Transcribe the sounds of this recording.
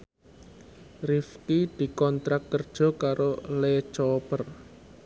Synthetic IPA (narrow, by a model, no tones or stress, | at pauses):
rifkid̪̥i̤kɔnt̪ɾak̚kːərd̥ʒ̥ɔ̤kaɾolet͡ʃɔpər